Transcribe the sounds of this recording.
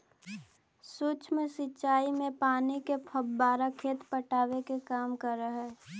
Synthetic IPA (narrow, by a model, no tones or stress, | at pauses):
suːt͡ʃmesitːt͡ʃʃaːimẽpaːnikepʰəbbaːɾakʰeːt̪pəʈaːʋekekaːmkəɾəɦɛː